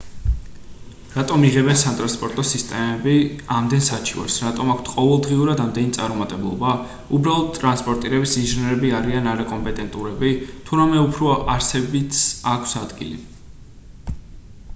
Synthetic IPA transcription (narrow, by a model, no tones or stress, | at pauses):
ɾat̪ʼɔmiʁɛbɛnsat̪ʼɾanspʼɔɾt̪ʼɔsist̪ʼɛmɛbiamd̪ɛnsat͡ʃʰiwa̰ɾsɾat̪ʼɔmakʷʰt̪ʰqʼɔvɛlˠd̪ʁiuɾad̪amd̪ɛnit̪sʼaɾɔmat̪ʼɛblˠɔ̰ba | ubɾalˠɔd̪̚t̪ʼɾanspʼɔɾt̪ʼiɾɛbisinʒinɛɾɛbiaɾianaɾakʼɔmpʼɛt̪ʼɛnt̪ʼuɾɛbit̪ʰuɾamɛupʰɾɔaɾsɛbit̪sakʰsad̪ɡḭlḭ